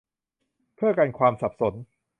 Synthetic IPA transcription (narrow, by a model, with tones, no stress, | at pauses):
pʰɯ˥˩ɐka˧nkʰwaː˧msa˨˩p̚so˩˦n